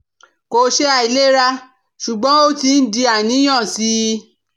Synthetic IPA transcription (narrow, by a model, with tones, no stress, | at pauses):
ko˧˦ʃe˦a˧˨i˨˧le˦ɾa˦˧ | ʃu˨ɡ͡bɔ̃˨˦o˦ti˧˦n̩˦di˧a˨nĩ˦j̃ã˦˨si˦˧˦